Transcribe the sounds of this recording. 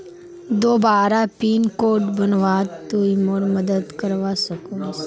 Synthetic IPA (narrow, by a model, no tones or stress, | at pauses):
d̪oːbaːɾapiːnkoːʈbənʋaːt̪uimoɾməd̪əd̪kəɾʋasəkus